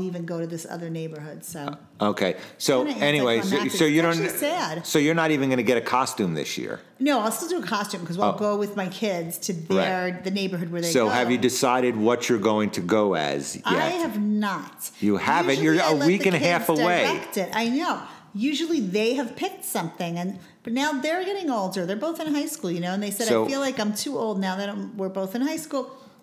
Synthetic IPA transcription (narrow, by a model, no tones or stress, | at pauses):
ivɨ̃nɡoʊɾɨðɪsʌ̰ðə˞neɪbə˞hʊd̥soʊ | ʔoʊkʰeɪsoʊɛñiweɪssoʊjɨɾõʊ̃nsæd̥soʊjə˞nəɾivɨ̃nɡʌnɨɡɛɾɨkʰɑstʉ̃mðɪ̰sjɪ̰ɹ | noʊastˠɾɨəkʰɑstʉ̃mkʰʌzlˠɡoʊwɨðmaɪkʰɪdz̥tʰɨðaə˞ðɨneɪbə˞ɦʊd̚wə˞ðeeɪsoʊɨvjɨdɨsaɪɾɨd̚wʌt͡ʃə˞ɡoʊɪ̃ŋtʰɨɡoʊɨ̰z̥aɛɪɨvnət̚jɨhævɨ̃nə˞əɛwikɨ̃nhæfəweɪɛktɪɾa̰ɪnoʊ | jʉʒl̩ˠiðeɪɨv̥pʰɪk̚tsʌ̃mθɪ̃ŋɨ̃n | b̥ʌtⁿnaʊðə˞ɡɛɾɪ̃ŋoʊlˠdə˞ðə˞boʊθɨ̃nɦaɪskulˠjɨnoʊə̃nðeɪsɛɾaɪʊilaɪkãɪ̃mtʰʉoʊlˠdⁿnaʊðɨɾãmwɪɹboʊθɨ̃nhaɪskulˠ